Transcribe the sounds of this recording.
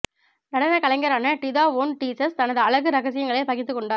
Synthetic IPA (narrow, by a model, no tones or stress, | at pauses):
nɐɽɐnɐkɐɭɐɪŋɡɐɾaːnɐʈɪðaːʋoːnʈiːsɐst̪ɐnɐðɯɐɭɐɣɯɾɐɣɐsɪjɐŋɡɐɭɐɪpɐɣɪt̪ːɯkːɔɳɖaː